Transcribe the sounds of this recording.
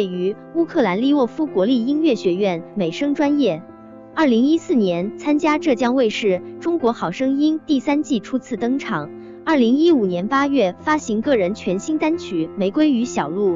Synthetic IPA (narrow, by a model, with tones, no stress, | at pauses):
we˥˩ɪy˧˥ | u˥kʰɤ˥˩la˧˥nli˥˧wɔ˥˩fu˥kwɔ˧˥li˥˩i˥nɥɛ˥˩ɕɥɛ˧˥ɥɛ˥˩nme˨˩ɪʂɤ˥ŋʈ͡ʂwa˥njɛ˥˩ | ɐ˞˥˩li˧˥ŋi˥sɹ̩˥˩njɛ˧˥nt͡sʰa˥nt͡ɕja˥ʈ͡ʂɤ˥˩t͡ɕjɑ˥ŋwe˥˧ɪʂɻ̩˥˩ʈ͡ʂʊ˥ŋkwɔ˧˥xɑ˨˩ʊʂɤ˥ŋi˥nt̪i˥˩sa˥nt͡ɕi˥˩ʈ͡ʂʰu˥t͡sʰɹ̩˥˩t̪ɤ˥ŋʈ͡ʂʰɑ˨˩˦ŋ | ɐ˞˥˩li˧˥ŋi˥u˨˩njɛ˧˥npa˥jɥɛ˥˩fa˥ɕi˧˥ŋkɤ˥˩ɻə˧˥nt͡ɕʰɥɛ˧˥nɕi˥nt̪a˥nt͡ɕʰy˧˥me˧˥ɪkwe˥ɪy˧˥ɕjɑ˨˩ʊlu˥˩